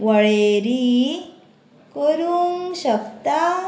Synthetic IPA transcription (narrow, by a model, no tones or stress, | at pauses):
ʋəɭeɾi | koɾuŋɕɐkt̪a